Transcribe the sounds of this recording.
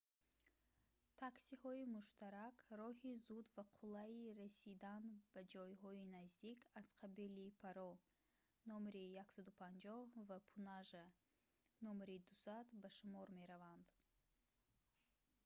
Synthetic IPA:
t̪ʰaksihɔimuʃt̪aɾakɾɔhizud̪vaqʰulaiɾasid̪anbad͡ʒɔjɦɔinazd̪ikʰaz̥qʰabilipʰaɾɔ | nɔmɾijaksad̪upʰand͡ʒɔhvapʰunaʒa | nɔmɾid̪usad̪baʃumɔɾme̞ɾavand̪

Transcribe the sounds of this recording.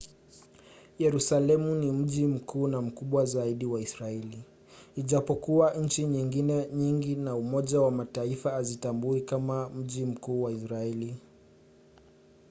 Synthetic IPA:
jɛɾusalɛmunim̩ʄim̩kuːnam̩kuɓwazaiɗiwaisɾaɛli | iʄapɔkuaɲ̩t͡ʃiɲiŋɡinɛɲiŋɡinaumɔʄawamataifaːzitambuikamam̩ʄim̩kuːwaisɾaɛli

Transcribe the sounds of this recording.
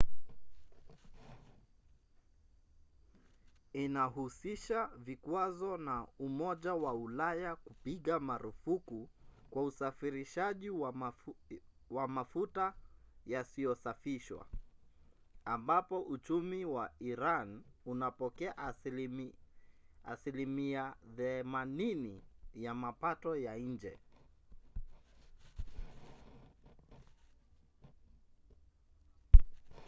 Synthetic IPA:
inaɦusiʃavikwazɔnaumɔʄawaulajakupiɠamaɾufukukwausafiɾiʃaʄiw | wamafutajasiɔsafiʃwa̰ | ambapɔʔut͡ʃumiwaiɾanunapɔkɛaʔ | asilimiaθɛmaninijamapatɔjaɲ̩d͡ʒɛ̰

